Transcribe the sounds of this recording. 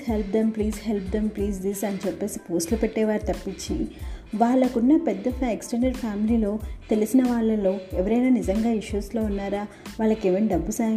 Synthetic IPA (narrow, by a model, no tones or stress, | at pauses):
helpd̪empliːzhelp̚d̪empliːzd̪isɐnit͡ʃepːe̞ːsipo̞ːsʈlupeʈːeːʋaːɾit̪ɐpːit͡ʃːiʋaːɭːɐkunːɐpɛd̪ːɐfeksʈeɳɖɐɖpʰaːmiliːlo̞ːt̪e̞lisinɐʋaːɭːɐlo̞ːɛʋɐɾɐjnaːnizɐŋɡaːiʃuːslo̞ːunːaːɾaːʋaːɭːɐkeːʋɐniɖɐbːusaː